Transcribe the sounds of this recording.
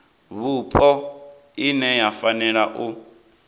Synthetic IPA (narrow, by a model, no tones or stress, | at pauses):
βupʼɔ | inɛjafanɛɺaʔu